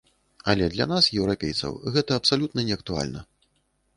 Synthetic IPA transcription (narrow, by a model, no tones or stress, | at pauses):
ɐlʲɛd̪lʲanasjɛwɾapʲḛjt̪sɐ̰wɣɛt̪ɐːpsalʲut̪̚nɐnʲɛɐk̚t̪ua̰lʲnɐ̰